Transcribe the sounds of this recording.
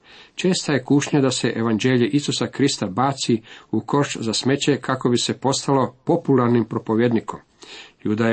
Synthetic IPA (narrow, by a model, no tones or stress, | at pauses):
t͡ʃe̞ːst̪aje̞kuʃɲad̪ase̞ʔeʋand͡ʑeːʎeʔisusakɾist̪abaːt̪siuko̞ʃt͡ʃzasme̞t͡ɕe̞kʰako̞bise̞po̞st̪alo̞po̞pulaɾnimpɾo̞po̞ʋje̞d̪niko̞m | jud̪a